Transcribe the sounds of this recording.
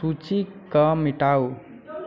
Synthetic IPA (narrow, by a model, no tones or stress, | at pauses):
ut͡ʃikʌmiʈaw